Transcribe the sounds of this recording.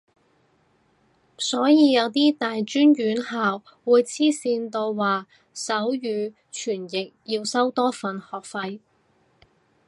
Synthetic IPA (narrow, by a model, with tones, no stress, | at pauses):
sɔː˨˥jiː˨˧jɐ˨˧wt̪iː˥t̪aː˨jt͡ʃyː˥njyː˨˥nhaː˨wːuː˨˧jt͡sʰiː˥siː˧nt̪o˧wːaː˨ | sɐ˨˥wjyː˨˧ | t͡ʃʰyː˨˩njɪ˨k̚jiː˧wsɐ˥wt̪ɔː˥fɐ˨nhɔː˨k̚fɐ˧j